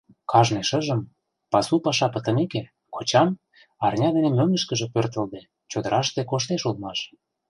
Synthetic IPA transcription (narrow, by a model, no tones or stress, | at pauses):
kʰɑʒneʃə̆ʒə̆m | pɑsupɑʃɑpə̆t̪ə̆neke | kʰot͡ɕɑm | ɑrnʲɑd̪enemøŋə̆ʃkə̆ʒĕpørt̪ə̆ld̪e | t͡ɕod̪əɾʔɑʃt̪ekoʃt̪eʃulˠmɑʃ